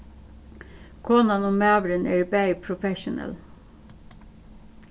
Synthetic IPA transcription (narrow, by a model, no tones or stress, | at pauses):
kʰɔːnɑnɔmæːʋɾənʔeːɹbæɪpʰɹʊfɛʃʊnə̰l